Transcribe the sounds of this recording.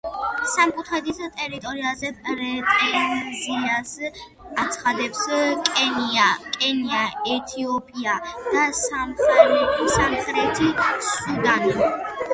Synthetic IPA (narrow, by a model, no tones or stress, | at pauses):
samkʼut̪ʰχɛd̪ist̪ʼɛɾit̪ʼɔɾiazɛpɾɛt̪ʼɛzias | at̪sʰχad̪ɛpsʼ | kʼɛniaɛt̪ʰiɔpʼiad̪̥asamχʼsamχɾɛt̪ʰisud̪anɔ